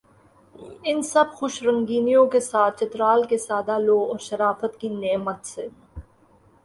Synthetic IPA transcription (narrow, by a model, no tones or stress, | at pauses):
ɪnsɐbxʊʃɾɐ̃ŋɡiːnijõkesaːt̪̚ʰt͡ʃɐt̪ɾaːlkesaːd̪aloːɔːɾʃɐɾaːfət̪kineːmət̪se